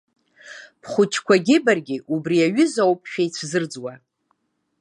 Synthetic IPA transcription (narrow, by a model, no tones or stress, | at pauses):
pʰχʷʊt͡ʃʰkʷʰaɡʲɪbarɡʲɪʔubriaɥʏzawp̚ʰʼʃᶣajt͡sʷʰzɨrd͡zwa